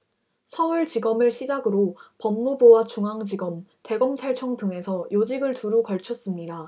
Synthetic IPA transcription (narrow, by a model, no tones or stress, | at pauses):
sʰʌɯɭt͡ɕiɡʌmɯɭɕʰid͡ʑaɡɯɾopʌmːubowat͡ɕuŋaŋd͡ʑiɡʌmte̞ɡʌmsʰaɭt͡ɕʰʌŋtɯŋe̞sʰʌjod͡ʑiɡɯɭtuɾukʌɭt͡ɕʰʌs͈ɯmɲida